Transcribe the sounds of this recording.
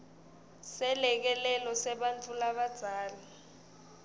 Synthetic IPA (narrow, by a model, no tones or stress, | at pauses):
sɛlɛk̬ɛlɛlɔsɛɓant͡fʰʼulaɓad̥z̥ʱaːli